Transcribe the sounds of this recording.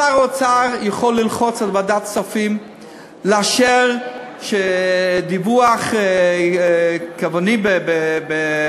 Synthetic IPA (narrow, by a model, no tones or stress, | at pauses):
aʁot͡saʁjaχolːilχot͡salbadat̪safim | leaʃeʁ | ʃed̪ivuaχ | kavonibebebe